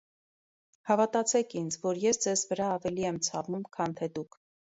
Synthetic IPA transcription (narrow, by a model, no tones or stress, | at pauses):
hɑvɑt̪ɑt͡sʰɛkʰind͡zʰvɔɾjɛsd͡zɛzvəɾɑːvɛliɛmt͡sʰɑvumkʰɑnt̪ʰɛd̪ukʰ